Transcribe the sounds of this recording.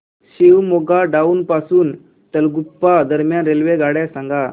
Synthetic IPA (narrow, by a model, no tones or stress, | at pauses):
ɕiwmoɡaɖauːnpasuːn | t̪əlɡupːad̪əɾmjanɾelʋeɡaɽasãŋɡa